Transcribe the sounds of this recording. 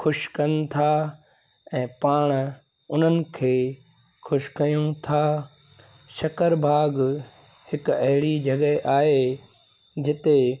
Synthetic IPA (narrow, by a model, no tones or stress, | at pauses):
xʊʃkɐnt̪ʰa | ɛ̃ːpaːɽ̃ | ʊn̤ənɪ̆kʰeː | xʰʊʃkɐjũt̪ʰaː | ʃɐkəɾbʱaːɡ | hɪkɐɦɪɽid͡ʑɐɡəʔaːɦe | d͡ʑɪt̪e